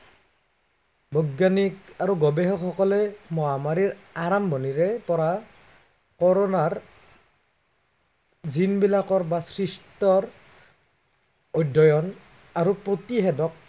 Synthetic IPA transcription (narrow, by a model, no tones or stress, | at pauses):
bʱɔɡjanikaɹuɡɔbɛɦɔkxɔkɔlɛmɔɦamaɹiɹaɹambɔniɹɛpɔɹa | kɔɹɔnaɹ | zinbilakɔɹbasɹistɔɹ | ɔjdʱːɔjɔn | aɹupɹotiɦɛdɔk̚